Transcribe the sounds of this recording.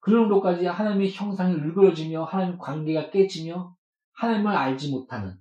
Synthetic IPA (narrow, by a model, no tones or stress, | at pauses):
kɯɾʌndok͈ad͡ʑihanaɲimeçjʌŋsʰaŋeuɭɡɯɾʌd͡ʑimjʌhanaɲimkwanɡe̞ɡak͈e̞d͡ʑimjʌ | hanaɲimɯɾaɭd͡ʑimotʰanɯn